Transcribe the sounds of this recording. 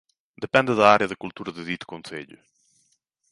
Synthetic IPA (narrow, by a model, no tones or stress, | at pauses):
d̪epɛnd̪əðɐaɾeɐðɐkult̪uɾɐðəðit̪konsḛʎʊ̰